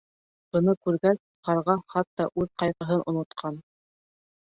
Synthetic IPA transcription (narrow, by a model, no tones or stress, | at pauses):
bɤ̆nɤkʉɾɡæs | qɑɾʁɑχɑt̪ːɑʔʉðqɑjʁɤ̆ɦɤnʔŏ̰nŏt̪qʰɑn